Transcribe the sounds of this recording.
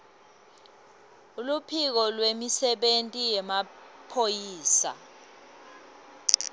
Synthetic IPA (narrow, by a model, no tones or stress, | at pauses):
ulupʰik̬ɔlwemisɛɓentʼijɛmapʰojiːsa̰